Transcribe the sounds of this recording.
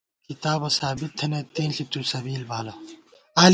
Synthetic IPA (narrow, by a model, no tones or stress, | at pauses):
kit̪aːbɐsaːbit̪ʰːɐnet̪eːnɬit̪usɐbiːlbaːlɐ | aːl